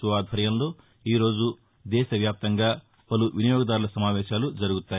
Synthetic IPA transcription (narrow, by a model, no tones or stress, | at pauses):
uʋaːd̪ʱʋɐɾjɐmlo̞ː | iːɾo̞ːd͡ʒu | d̪ɛːʃɐʋjaːp̚t̪ɐŋɡaː | pɐluʋinijɔːɡɐd̪aːɾulɐsɐmaːʋɛːʃaːlud͡ʒɐɾuɡut̪ːaː